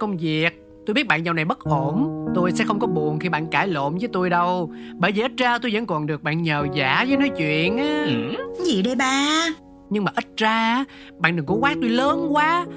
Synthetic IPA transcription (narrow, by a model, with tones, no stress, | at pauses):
kə˧wŋ͡mvi˨˩ək̚ | t̪o˧jɓi˦˥ət̚ɓa̰ː˧˨nɲa˧wna˨˩jɓə˦˥t̚ʔo˧˩nt̪o˧jsɛ̰˧˥xə˧wŋ͡mkɔ˨˦ɓu˨˩ənxi˧ɓa̰ː˧˨nkaː˧˩jlo̰˧˨mzəː˨˦jt̪o˧jɗə˧w | ɓəː˧˨˩jvi˨˩ʔə˦˥t̚zaː˧t̪o˧jzə̰˧˥nkɔ˨˩nɗɨ˨˩ək̚ɓa̰ː˧˨nɲəː˨˩zaː˧˩˦zəː˨˦nɔ˨˦jt͡ɕwḭ˧˨ənʔaː˨zi˨˩ɗə˧jɓaː˧ | ɲɨ˧ŋmaː˨˩ʔə˦˥t̚zaː˧˦ | ɓa̰ː˧˨nɗɨ˨˩ŋkṵ˧˥˦kwaː˦˥k̚t̪o˧jləː˨˦nkwaː˨˦